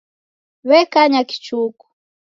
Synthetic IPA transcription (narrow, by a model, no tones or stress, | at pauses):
βɛkaɲaki̥t͡ʃuku̥